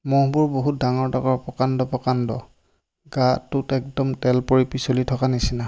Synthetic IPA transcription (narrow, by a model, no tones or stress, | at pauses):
mɔɦbʊɹboɦut̚daŋɔɹtakɔɹpɔkandɔpɔkandɔ̰ | ɡatːutɛk̚dɔmtɛlpoɹipisolitʰɔkanisina